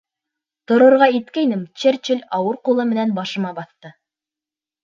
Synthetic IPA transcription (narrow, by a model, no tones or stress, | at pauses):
t̪ŏɾŏɾʁɑit̪kæjnɘmt͡ɕert͡ɕɘlʲɑwɤɾqulˠɤmɘ̆nænbɑʃɤ̆mɑbɑθt̪ɤ